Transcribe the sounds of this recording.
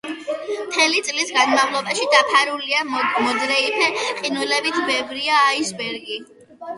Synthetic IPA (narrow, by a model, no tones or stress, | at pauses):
mt̪ʰɛlit̪sʼlisɡanmavlˠɔbaʃid̪apʰaɾuliamɔd̪ɾɛipʰɛqʼinulɛbit̪ʰbɛvɾiaːisbɛɾɡi